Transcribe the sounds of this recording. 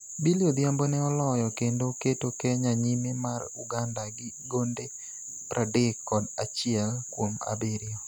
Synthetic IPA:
biliod̪jambonɛɔlɔjɔkendoketokɛɲaɲimemaruɡandaɡɪ | ɡonde | pɾʔadɪkːɔdat͡ʃɪɛlkwoma̰beɾɪɔ

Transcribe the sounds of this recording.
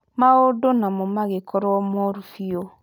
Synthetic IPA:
mawodonamɔmaɡekʰɔɾɔmɔɾufijo

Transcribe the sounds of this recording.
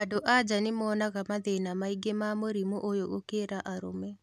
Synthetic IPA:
adoʔad͡ʑanemɔːnaɣamaðenamaiɡemamoɾimoʔojoɣokeɾaʔaɾo̰mɛ

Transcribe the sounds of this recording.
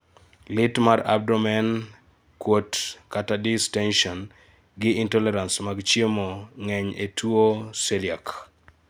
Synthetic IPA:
lɪtmaɾa̰b̚dɔmɛn | kwotkatadɪstɛnʃɔn | ɡɪintɔlɛɾansmaɡt͡ʃjemoŋɛɲetuoseljak

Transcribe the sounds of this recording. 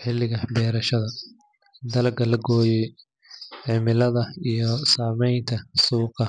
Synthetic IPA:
ħɪlːɪɣɐbɛːɾɐʃɐðɐ | d̪ɐlɡɐlɐɡɔːjɛj | ʕɪmɪlɐðɐijɞsaːmɛjnt̪ʰɐsuːqɑ

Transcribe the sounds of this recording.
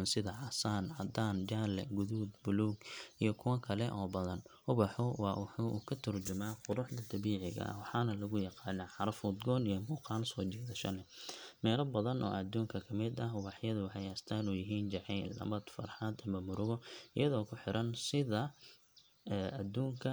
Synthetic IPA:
nsɪðɐʕɐsaːnɐd̪aːnd͡ʒaːlɛɡʊðuːd̪bʊluːɡijɞkʰʊwɐkʰɐlɛʔɔːbɐðɐn | ʊβɑħʊwɑːwʊħṵːkʰɐt̪ʰʊrt͡ʃʊmaːqʊɾʊħd̪ɐd̪ɐβiːʕɪɣɐ̰ʔɐ̰wɑħɑːnɐlɐɣʊjɑqɑːnɐːħɑɾɐfʊd̪ɡɔːnijɔmuːqɑːlsɔːt͡ʃɛːðɐʃɐlɛmɛːlɐbɐðɐnʔɔ̰ːɐd̪uːŋkʰɐkʰɐmɪd̪ɐɦʊβɑħjɐðʊwħɛjast̪ʰaːnuːjɪɦiːnd͡ʒɐʕiːlːɐ̰mɐd̪fɐ̰rħɑd̪ɐmɐmʊɾʊɣɔɪ̰jɐðɔːkʰʊħɪɾʔɐnsɪðɐ | ɛːɐd̪uːŋkʰɐ

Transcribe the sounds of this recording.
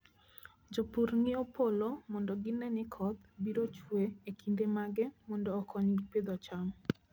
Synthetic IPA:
d͡ʒopuɾnɪopolomɔndɔɡɪnɛnɪkʰɔd̪biɾot͡ʃweekʰindemaɡɛmɔndɔːkʰɔɲɡiped̪at͡ʃam

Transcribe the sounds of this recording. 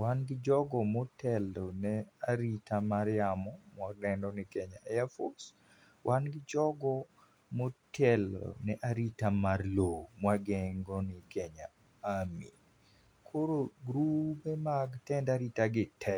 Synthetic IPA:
wanɡɪd͡ʒɔɡɔmɔtʰɛldɔnɛaɾitamaɾjamɔmwadɛndɔnɪkɛɲaɛjafos | wʔanɡɪd͡ʒɔɡɔ | motʰɛlɔ̰nɛʔaɾitamarlomwaɡɛŋɡɔnɪkɛɲa̰ | amḭ | kʰoɾoɡɾupɛmaɡtɛndaɾitaɡɪtʰɛ

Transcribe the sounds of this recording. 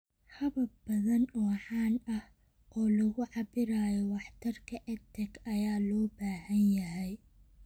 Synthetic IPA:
hɐβɐbɐðɐnɔːħɑːnɐh | ʔɔːlɐɣʊʕɑbɪɾaːjɔwɑħt̪ʰɐrkʰɐʔɛt̪ʰɛɡɐjaːlɔːbaːhɐnjɐɦɛj

